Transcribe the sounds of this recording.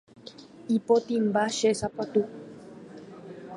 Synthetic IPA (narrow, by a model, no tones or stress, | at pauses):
ipot̪imbaʃesapot̪u